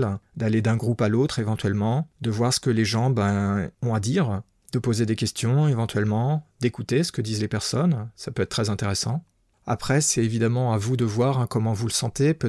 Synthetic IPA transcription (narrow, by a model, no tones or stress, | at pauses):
ld̪aled̪ɛ̃ɡʁupalot̪χevɑ̃t̪ɥɛlmɑ̃d̪əvwaʁsə̥kəleʒɑ̃bɛ̃ɔ̃ad̪iːʁ | d̪̥əpozed̪ekʲɛst̪jɔ̃evɑ̃t̪ɥɛlmɑ̃d̪ekut̪esə̥kəd̪izlepɛʁsɔnsapøɛt̪̚t̪ːχɛzɛ̃t̪eʁesɑ̃ | a̰pχɛsɛt̪evid̪amɑ̃avud̪əvwaʁɛ̃kɔmɑ̃vuləsɑ̃t̪ep